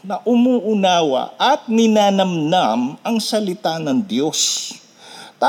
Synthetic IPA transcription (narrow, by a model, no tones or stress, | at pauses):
nɐʔʊmuːʔʊnaːwɐ̰ʔɐt̪̚nɪnaːnɐmnamɐŋsɐlɪt̪anɐŋd̪jo̞s | t̪a